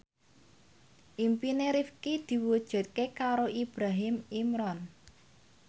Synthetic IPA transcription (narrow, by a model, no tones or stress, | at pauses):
ʔimpineɾifkid̪̥i̤wud̥ʒ̥a̤t̪̚kekaɾoʔib̥ɾaɦɪmimɾɔn